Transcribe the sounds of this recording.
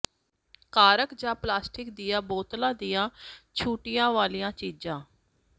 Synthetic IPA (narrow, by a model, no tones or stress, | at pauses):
kaːɾəkd͡ʒãːplaːsʈɪk̚d̪iːjãːboːt̪lãːd̪ijãːt͡ʃʰuːʈijãːʋaːlijãːt͡ʃiːd͡ʒãː